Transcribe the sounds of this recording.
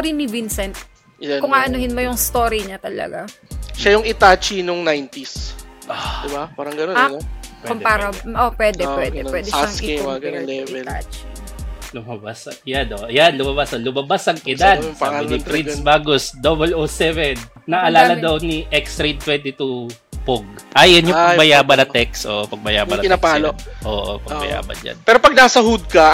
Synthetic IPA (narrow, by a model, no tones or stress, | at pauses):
oɾinɪvinsɛnt̪̚ | kʊŋaʔɐnuhɪnmojʊŋst̪oːɾiɲat̪ɐlɐ̰ɡaʃajʊŋɪt̪at͡ʃinʊŋnajnt̪isʔad̪ɪbapaːɾɐŋɡɐnoɐnokːʊmpaɾɐʔopwɛd̪ɛpwɛd̪ɛwɛd̪ɛʃaaŋsewaɡɐlɛɪɛa̰t͡ʃ | lʊmabasjanoʔjanlʊmɐbasɐlʊmɐbasɐŋʔɪd̪ad̪saːbɪnɪfɾisbaːɡosd̪obɛlosɛvɛnːɐʔɐlaːlɐd̪ɐwniʔɛkst̪ɾit̪wɛnt̪ɪt̪u | poɡ̚ʔajɐnjʊpɐɡbɐjaːbɐnɐt̪ɛksʔo̰ʔopɐɡ̚bɐjaːbɐnɐɪnapaloʔoːʔo̰pɐɡbɐ̰ja̰ːbɐ̰nd͡ʒɐ̰npɛːɾopɐɡ̚naːsɐɦud̪̚kɐ